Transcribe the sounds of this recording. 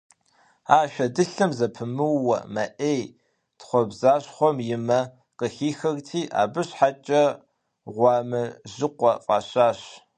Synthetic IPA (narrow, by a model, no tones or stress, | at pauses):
aːʃʷᶣɐdɨɬɨmzɐpʰɨmɨwːɐ̰mɐʔej | tχʷɔbzaːɕχʷɔmjɪmɐ | qəxiːxɐɣtʰiːʔa̰ːbɨɕħat͡ʃʼɐ | ʁʷɑːmɨʑɪqʷɔfʼaːɕaːɕ